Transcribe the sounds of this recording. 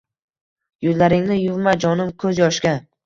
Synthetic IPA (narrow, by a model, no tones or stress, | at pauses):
jʊzlaɾɪŋnɪjʊvmad͡ʒɒnɪmkʰɵzjɒʃɡʲan